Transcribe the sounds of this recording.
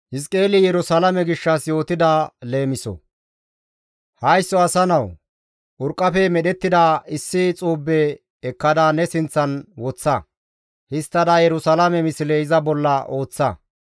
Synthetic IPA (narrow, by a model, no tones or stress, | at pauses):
hɪskʼe̞ːlɪjɛɾʊsɐlɐmɛɡɪʃːɐsjo̞ːt̪ɪd̪ɐle̞ːmɪsɔ̰ | hɐjsːɔɐsɐnɐw | ʔʊɾkʼːɐfɛmɛɗɛt̪ːɪd̪aːɪsːɪt͡sʼuːbːɛː | kːɐd̪aːnɛsɪnt͡sːɐnwɔt͡sːɐ | hɪst̪ːɐd̪ɐjɛɾʊsɐlɐmɛmɪsɪleɪzɐbɔlːɐʔo̞ːt͡sːɐ̰